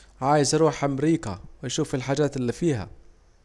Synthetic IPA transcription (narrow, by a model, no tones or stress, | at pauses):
ʕaːjɪzɾuːħʔamɾiːka̰wɪjʃuːfɪlħaːd͡ʒaːt̪ɪlːiːfiːha̰